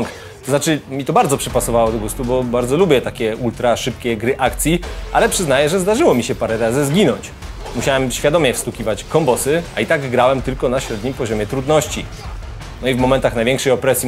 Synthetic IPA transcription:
ŋk | t̪ɔznat͡ʂɘmʲit̪ɔbaɾd̪zɔpʂɛpasɔvawɔd̪ɔɡust̪ubɔbaɾd̪zɔlubʲjɛt̪akʲɛult̪ɾaʂɘpkʲɛɡɾɘʔakt̪sʲjialɛpʂɘznajɛʐɛzd̪aʐɘwɔmʲiɕɛpaɾɛɾazɘzɡʲinɔɲt͡ɕ | muɕawɛmɕfʲjad̪ɔmjɛfst̪ukʲivat͡ɕkɔmbɔsɘait̪aɡɡɾawɛmt̪ɘlkɔnaɕɾɛd̪ɲimpɔʑɔmʲjɛt̪ɾud̪nɔɕt͡ɕi | nɔivmɔmɛ̃nt̪axnajvjɛ̃ŋkʂɛjɔpɾɛsʲji

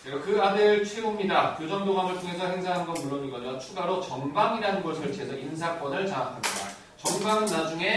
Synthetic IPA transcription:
eokɯadɯɭt͡ɕʰwebomɲidakjod͡ʑʌŋdoɡamɯɭtʰoŋe̞sʰʌɦeŋsʰaɦanɡʌnmuɭːoɲiɡʌʌt͡ɕʰuɡaɾot͡ɕʌmbaŋiɾanɯnɡʌsʰɯɭt͡ɕed͡ʑʰʌins̬ʰak͈ʌdaɭt͡ɕaakʰamɲida | t͡ɕʌmbaŋnad͡ʑuŋe̞

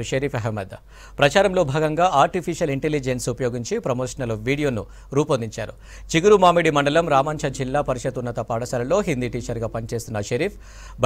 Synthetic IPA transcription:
ʃɐɾiːpʰɐɦɛmːɐd̪ɐ | pɾɐt͡ʃaːɾɐmlo̞ːbʱaːɡɐŋɡaːaːɾʈipʰiʃɐliɳʈelid͡ʒensupɐjoːɡiɲt͡ʃipɾɐmoːʂɐnɐlʋiːɽijo̞ːnu | ɾuːpond̪iɲt͡ʃa̰ːɾṵ | t͡ʃiɡuɾumaːmiɽimɐɳɖɐlɐmɾaːmaːnt͡ʃʰɐd͡ʒilːaːpɐɾiʃɐt̪unːɐt̪ɐpaːɽɐsɐlɐlo̞ːɦind̪iʈiːt͡ʃɐɾɡaːpɐnt͡ʃe̞ːst̪unːɐʃɐɾiːpʰ | b

